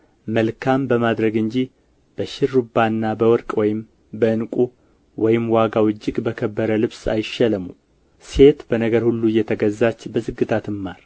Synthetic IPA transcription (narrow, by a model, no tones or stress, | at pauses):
məlkʰambəmad̪ɾəɡɨɲd͡ʒi | b̥əʃɪɾːubanːabəwɔɾkʼwɔjɪm | bəɨnkʼu | wɔjɪmwaɡawɨd͡ʒːɪɡbəkʰəbːəɾəlɨβsa̰jɪʃːɛləmu | se̞t̪bənəɡəɾhulːujːɛt̪ʰəɡəzːat͡ʃːbəzɨɡːɨt̪ʰat̪ɨmːaɾ